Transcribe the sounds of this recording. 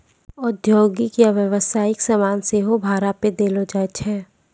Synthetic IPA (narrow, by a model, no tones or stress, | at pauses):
ʊd̪ʱjoːɡikjaʋjəʋəsaːɪksamaːnseɦobʱaːɾaped̪eːlod͡ʒaːt͡ʃʰɛː